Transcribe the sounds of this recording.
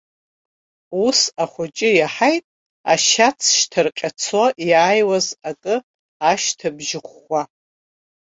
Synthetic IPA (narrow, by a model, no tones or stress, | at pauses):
usaχʷʊt͡ʃʼɪjaħajtʼ | a̰ʃat͡sʰʃtʰɨrqʲʼat͡sʰoʔjaːjwazakʼɨ | aʃtʰabʒɪχʷːa